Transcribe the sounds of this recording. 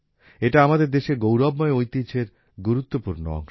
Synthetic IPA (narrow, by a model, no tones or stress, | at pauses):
eʈaamad̪eɾd̪eʃeɡowɾɔbmɔeojt̪it͡ɕʰeɾ | ɡuɾut̪ːopuɾno̰ɔ̰ŋʃ